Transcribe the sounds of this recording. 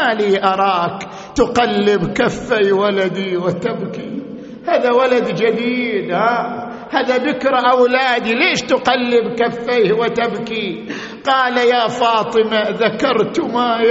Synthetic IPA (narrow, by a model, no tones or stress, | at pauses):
aliːʔɑɾˤɑːk | t̪ʊqalːɪbkafːajwalad̪iwɪt̪abki | haːðawalad̪d͡ʒad̪iːd̪haː | haːðaðɪkɾˤʔawlaːd̪ileːʃt̪ʊqalːɪbkafːajwɪt̪abki | qɑːlajaːfɑːt̪ˤɨmaðakɑɾˤt̪ma